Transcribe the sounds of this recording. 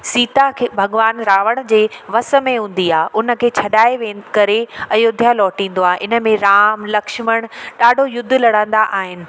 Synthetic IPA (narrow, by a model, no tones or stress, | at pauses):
siːt̪akʰebʱɐɠʋaːnɾaːʋəɽ̃d͡ʑeːʋɐsə̆mẽɦũːn̆d̪iaːʔʊnə̆kʰeːt͡ɕʰɐɗaːeʋẽːkɐɾeɛ̃ʊd̪ʱjalɔːʈĩːn̆d̪oaːɦeʔɪnə̆mẽɾaːmlɐkʃməɽ̃ɗaːɖʱojʊd̪ʱːlɐɽãːn̆d̪aʔaːɦɪnɪ̆